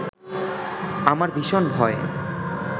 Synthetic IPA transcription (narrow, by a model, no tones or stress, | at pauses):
amaɾbʱiʃonbʱɔe